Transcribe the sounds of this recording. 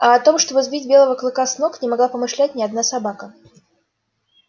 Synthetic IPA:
ɐɐt̪o̞mʂt̪o̞bɨzbʲitʲbʲe̞lˠəvəklˠɨkasno̞knʲɪmɐɡlˠapəmɨʂlʲæt̚ʲnʲɪɐd̪nasɐbakə

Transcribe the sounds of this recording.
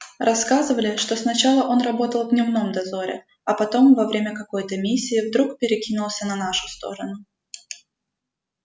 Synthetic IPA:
rʔɐskazɨvəlʲɪʂt̪o̞snɐt͡ɕalˠəʔo̞nrɐbo̞t̪əlˠvʲnʲɪvno̞md̪ɐzo̞ɾʲɪ̰ | ɐpɐt̪o̞mvɐvɾʲemʲəkɐko̞jt̪əmʲisʲːɪːvd̪ɾukpʲɪɾʲɪkʲinʊlˠsʲənɐnaʂʊ̥st̪o̞̰ɾənʊ

